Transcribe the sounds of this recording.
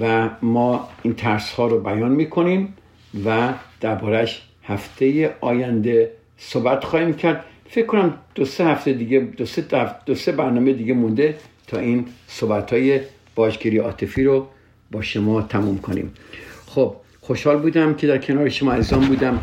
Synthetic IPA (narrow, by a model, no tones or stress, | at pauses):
væmɒːint̪ʰæɾshɒːɾobæjɒːnmiːkʰo̞nim | væd̪̥æɾbɒːɾæʃ | hæft̪ʰe̞jeʔɒːjænd̪e̞ | soːbæt̪xɒːhiːmcʰæɾd̪̥fekːonæmd̪̥osehæft̪ʰed̪iɡed̪osed̪̥ose̞bæɾnɒːmed̪iːɡemund̪e̞t̪ʰɒːʔiːnsobæt̪ʰhɒːje | b̥ɒːd͡ʒɡiɾiɒ̰ːt̪ʰefiːɾo | bɒːʃomɒːt̪ʰæmumkʰonḭːmxob̥̚ | xoʃhɒːlbuːd̪æmcʲʰe̞d̪æɾcʰe̞nɒːɾeʃomɒːæziːzɒːnbuːd̪æm